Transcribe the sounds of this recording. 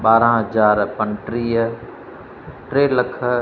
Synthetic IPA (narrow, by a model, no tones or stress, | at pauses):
ɓaːɾãɦɐd͡ʒaːɾpɐnʈɾiːə | ʈɾeːləkʰə